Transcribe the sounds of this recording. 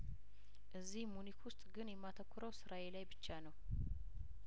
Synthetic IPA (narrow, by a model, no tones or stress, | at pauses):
ʔɨzːihmunikwʊst̪ʼɡɨnjɛmːat̪ʰəkʰʷːʊɾəwsɨɾʔawelajbɨt͡ʃːanəw